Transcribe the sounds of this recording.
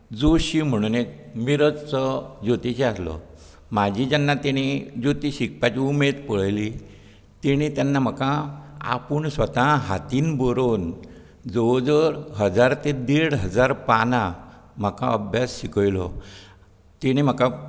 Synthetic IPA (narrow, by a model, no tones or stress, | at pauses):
d͡zoɕim̤əɽ̃unekmiɾət͡st͡sɔd͡ʑot̪it͡ɕeaslɔ̰ | mad͡ʑʱid͡ʑanːat̪eɽ̃id͡ʑot̪iɕik̚pat͡ɕiumed̪pəɭjli | t̪iɽ̃it̪janːam̤əkãa̰puɳsʋət̪ãɦat̪iːnbɔɾon | d͡zəd͡zəɾɦəd͡zaɾt̪ed̪eɽɦəd͡zaɾpanã | m̤əkaəbʱjasɕikəjlɔ̰ | t̪iɽ̃im̤aka